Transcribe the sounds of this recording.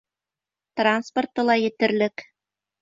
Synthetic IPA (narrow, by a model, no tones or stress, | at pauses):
t̪ransport̪ɤ̆lˠɑjɘ̆t̪ɘ̆rlʲɘ̆k